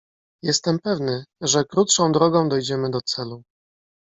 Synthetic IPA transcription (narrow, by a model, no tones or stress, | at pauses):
jɛst̪ɛmpɛvnɘʐɛkɾut̪ʂɔ̃w̃d̪ɾɔɡɔ̃w̃d̪ɔjd͡ʑɛmɘd̪ɔt̪sɛlu